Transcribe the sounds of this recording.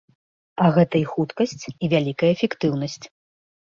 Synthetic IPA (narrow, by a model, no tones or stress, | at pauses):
ɐɣɛt̪ɐixut̪kɐsʲt͡sʲivʲalʲikɐjɐːfʲɛkt̪ɨwnɐsʲt͡sʲ